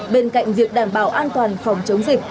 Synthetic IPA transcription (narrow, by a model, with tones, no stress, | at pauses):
ɓe˧nka̰˧˨jŋ̟zi˨ək̚ɗaː˧˩mɓaː˧˩wʔaː˧nt̪waː˨˩nfɔ˧˩wŋ͡mt͡ɕə˨˦wŋ͡mzi˨˩k̚